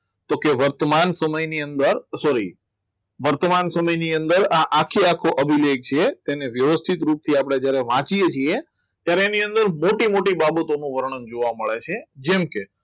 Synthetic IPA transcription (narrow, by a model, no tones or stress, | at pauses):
t̪okeʋəɾt̪mansəməjniənd̪əɾsɔɾi | ʋəɾt̪əmansəməjniənd̪əɾaʔakʰːiakʰːoʔəbʱileɡ̚t͡ʃʰet̪eneʋjəʋəst̪ʰit̪ɾup̚t̪ʰiapəɽ̃ed͡ʒjaɾeʋãt͡ʃijet͡ʃʰie | t̪jaɾeːniənd̪əɾmoʈimoʈibabət̪onũʋəɾɳ̃ənd͡ʒoʋaməɭet͡ʃʰed͡ʒemke